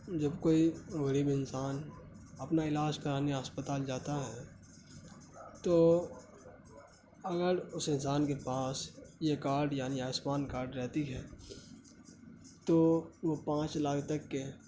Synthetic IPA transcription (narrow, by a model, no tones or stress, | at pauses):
d͡ʒɐbkoːiɣɐɾiːbɪnsaːn | ɐpnaɪlaːd͡ʒkɐɾaːniəspət̪aːld͡ʒaːt̪aɦɛ | t̪oː | ɐɡəɾʊsɪnsaːnkepaːsjekaːɾɖjaːniaːsmaːnkaːɾɖɾɛɦt̪iɦɛː | t̪oːʋopãːt͡ʃlaːkt̪ɐkːe